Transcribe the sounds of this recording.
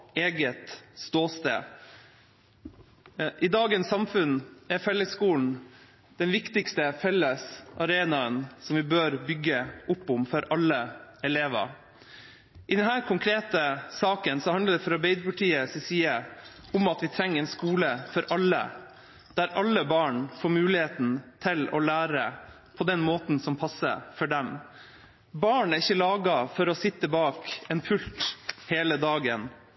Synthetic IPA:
eːɡət̪st̪oːst̪ḛː | ʔɪd̪ɑːɡənsɑmfʉnɛɾfɛlːəskuːln̩ | d̪̥ɛnʋɪkt̪ɪkst̪əfɛlːəsʔɑɾeːnɑənsɔmʋɪbøːɾbʏɡːəʔʊpːʊmfɔɾʔɑlːəɛleːʋɑ̰ | ʔɪd̪ɛnhæːɾkʰʊŋkʰɾeːt̪əsɑːkənsɔhɑnəɖ̪ɛfɔɾɑɾbeɪd̪əpɑʈʰiːəsɪsiːə | ʊmɑt̪ʋɪt̪ʰɾɛŋːəɾɛːnskuːləfɔɾʔɑlːə̰ | d̪̥æɾʔɑlːəbɑːɳfoːɾmʉːlɪheːt̪n̩t̪ʰɪlɔ̰læːɾə | pʰɔd̪ɛnmoːt̪n̩sɔmpʰɑsːə̰fɔɖɛm | bɑːɳæɾɪçːəlɑːɡɑfɔɾɔsɪt̪ːəbɑːkɛnfʉlt̪heːləd̪ɑːɡən

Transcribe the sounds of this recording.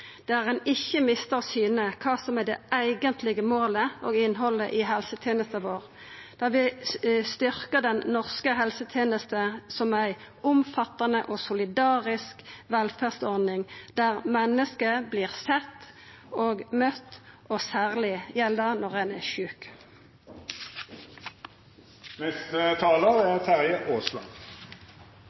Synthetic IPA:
d̪̥æʁɛnɪçːəmɪst̪əʁsyːnəkʰɑːsɔmæd̪ɛ̰ʔæɪɡənt̪ʰlɪɡəmoːləɔːɡɪnːɦɔlə̰ʔɪɦɛlsət̪ʰjeːnəst̪ɑʋoːʁ | d̪̥ɑʁʋɪst̪ʏʁkəʁd̪ɛnnɔʁskəɦɛlsət̪ʰjeːnəst̪əsɔmæɪ | ʊmfɑt̪ːɑnəʔɔsʊlɪd̪ɑːʁɪskʋɛlfæʁst̪ɔʁd̪nɪŋd̪̥æʁmɛnːəskəbliːʁsɛt̪ː | oːɡmœt̪ːʔɔsæːʁlɪjɛld̪ɑnɔʁɛnæʃʉːk | nɛst̪ət̪ʰɑːləʁæt̪ʰæʁjəʔoːslɑ̰n

